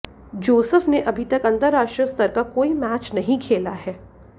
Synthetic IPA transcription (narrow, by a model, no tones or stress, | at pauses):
d͡ʒoːsəfneʔɐbʱit̪ɐkɐ̃nt̪əɾːaːʃʈɾəst̪ɐɾkakoːimæːt͡ʃnɐɦĩkʰeːlaɦɛː